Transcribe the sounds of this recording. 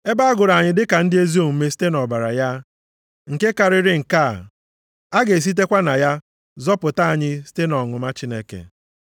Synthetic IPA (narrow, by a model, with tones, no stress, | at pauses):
e˦ba˦a˦ɡʊ˨ɾa˨ɲɪ˨dɪ˦ka˨n̩˦dɪ˦e˦zi˦o˨m̩˨me˦si̥˦te˦nɔ˨ba˨ɾa̰˨ja˦ | ŋ̩˨ke˦ka˨ɾɪ˦ɾɪ˦ŋ̩˨ka˦˨ | a˦ɡe˨s̬i˦t̬e˦kʷa˦na˨ja˦ | zɔ˦pʊ˨ta˦a˨ɲɪ˦si̥˦te˦nɔ˨ŋʊ˨ma˦t͡ʃɪ˦ne˦kḛ˨